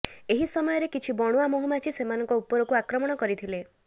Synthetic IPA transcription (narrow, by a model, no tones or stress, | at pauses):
eɦisɔmɔjɔɾekit͡ʃʰibɔɽ̃uamoɦumat͡ʃʰisemanɔŋkɔupɔɾɔkuakɾɔmɔɽ̃ɔkɔɾit̪ʰile